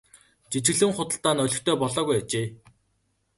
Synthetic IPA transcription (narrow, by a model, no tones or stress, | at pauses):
t͡ɕit͡ɕɪ̆ɣɮɘ̆ŋχʊt̪ə̆ɬt̪aːnœɮʲɞ̆xt̪ʰœːpɔɮɔːɣujat͡ɕeː